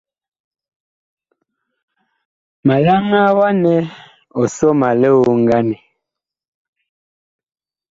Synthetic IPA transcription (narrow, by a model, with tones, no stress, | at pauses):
ma˨la˦ŋa˦wa˦nɛ˦ | o˨so˦ma˨le˦wo˦ŋɡa˦nɛ˨